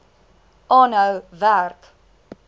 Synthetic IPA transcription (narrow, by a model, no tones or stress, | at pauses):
ɑːnəwværk